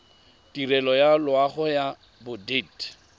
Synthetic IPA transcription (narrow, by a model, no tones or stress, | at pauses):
dirɛlɔjalʊaχʊja | bʊded